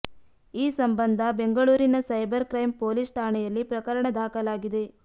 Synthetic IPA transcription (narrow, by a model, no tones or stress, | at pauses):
iːsɐmbɐnd̪ʱɐbe̞ŋɡɐɭuːɾinɐsɐjbɐɾkɾɐjmpoːlisʈʰaːɳɛjɐlːipɾɐkɐɾɐɳɐd̪ʱaːkɐlaːɡid̪e̞